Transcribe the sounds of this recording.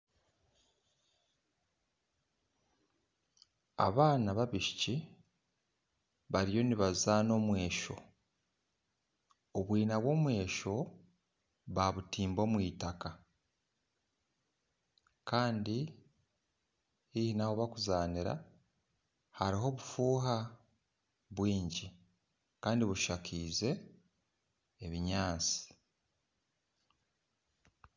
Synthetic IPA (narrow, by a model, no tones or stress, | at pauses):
a̰βaːnaβaβiʃi̥ci | βaɾijo̞niβazano̞mwe̞ːʃo̞̰ | oβwiːnaβwo̞ːmwe̞ːʃo̞ | βaβutiːmbo̞ːmwiːtaka | kaːndi | hihinahoβakuzaːniɾa̰ | haɾiɦo̞βufuːɦa | βwiːɲɟi | kaːndiβuʃakʰiːze̞ | βiɲaːnt͡si̥